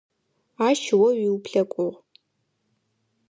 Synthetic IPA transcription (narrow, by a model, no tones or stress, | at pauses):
aːʃwɐɥiwupʰɬɐkʷʼʊʁ